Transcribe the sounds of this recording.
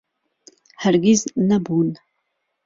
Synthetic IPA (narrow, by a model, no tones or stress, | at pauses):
harɡʲiznɐbun